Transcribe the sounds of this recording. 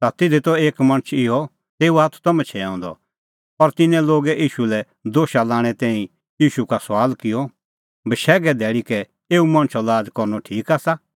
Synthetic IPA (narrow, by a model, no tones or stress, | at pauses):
sat̪ɪd̪ʱit̪ɔeːkmɐ̃ɽ̃ət͡ʃʰɪɦɔ | t̪eːuaːt̪ʰu̥t̪ɔmɛ̃t͡ʃʰɛãːnd̪ɔ̰ | ɔɾt̪ɪnɛ̃loːɡɛʔiːʃulɛ | d̪oːʃalaːɽ̃ɛt̪ɛ̃ːĩ | jiːʃukasʋaːlkɪjɔ | bəʃɛːɡɛd̪ɛːɭikɛ | eːumɐ̃ɽ̃t͡ʃʰɔlaːd͡zkɔɾnɔʈʰiːkaːsa